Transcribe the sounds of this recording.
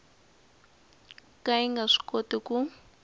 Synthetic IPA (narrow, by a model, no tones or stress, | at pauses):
kaiŋɡaʂi̥kʼotʼikʼu